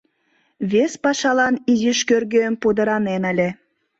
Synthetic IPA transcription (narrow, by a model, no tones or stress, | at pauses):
βespɑʃɑlɑniziʃkørɡøəmpud̪ə̆ɾɑnenəlʲe